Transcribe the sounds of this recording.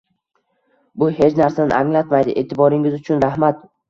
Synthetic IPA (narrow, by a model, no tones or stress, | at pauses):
bʊhe̞t͡ʃnaɾsanɪ̰ʔaŋlat̪majd̪ɪʔe̞t̪ʰɪbɒɾɪŋɪzʊt͡ʃʰʊnɾahmat̪̚